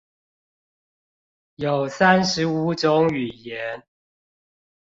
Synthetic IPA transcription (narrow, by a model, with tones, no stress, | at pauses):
jo˨˩ʊsa˦nʂɻ̩˨˦u˧˥ʈ͡ʂʊ˧˦ŋy˨˩jɛ˨˦n